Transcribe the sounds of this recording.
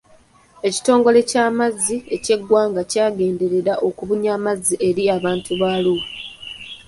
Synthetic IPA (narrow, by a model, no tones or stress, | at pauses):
e̞ci̥to̞ːŋɡo̞le̞caːmazːie̞ce̞ɡːwaːŋɡacaːɡe̞ːnde̞ɾe̞ɾaʔo̞kuβuɲaːmazːiʔe̞ɾiaβaːntuβaːluː